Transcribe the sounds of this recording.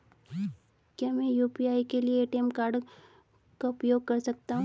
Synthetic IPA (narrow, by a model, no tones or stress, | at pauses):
kjaːmɛ̃juːpiaːikelieːʈiɛmkaːɾɖ | kaʊpjoːɡ̚kɐɾsɐk̚t̪aɦũ